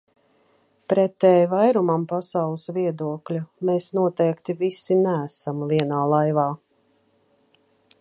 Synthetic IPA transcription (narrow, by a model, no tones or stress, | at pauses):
pɾɛt̪ɛːjvajɾumampasawlˠɨsviɛd̪uɔklʲumeːsnuɔt̪ɛjkt̪ivisinæːsamviɛnaːlˠajvaː